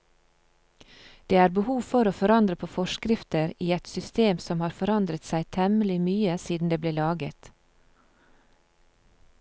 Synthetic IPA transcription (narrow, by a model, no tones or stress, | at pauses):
d̪̥eːæːɾbəhuːʋfɔɾoːfɔɾɑnd̪ɾəpʰoːfɔʃkɾɪft̪əɾiːɛt̪sʏst̪eːmsɔmhɑːɾfɔɾɑnd̪ɾət̪sæɪt̪ʰɛməlɪmyːəsiːd̪n̩d̪eːbleːlɑːɡə̰t̪